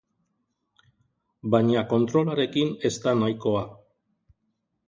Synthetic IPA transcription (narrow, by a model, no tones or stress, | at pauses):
baɲako̞nt̪ɾo̞laɾe̞kine̞st̪anajko̞a